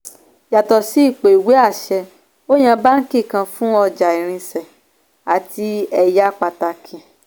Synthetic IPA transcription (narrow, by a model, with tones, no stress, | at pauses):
ja˨tɔ˨si˨˦i˦˨k͡pe˨i˨we˨˦a˦˨ʃɛ˧ | o˦j̃ɛ̃˧ba˦ŋ̩˦ki˦˨kã˧fũ˦ɔ˧d͡ʒa˨i˨ɾ̃ĩ˧sɛ˨ | a˨ti˧ɛ˧ja˦k͡pa˧ta˧kʰĩ˨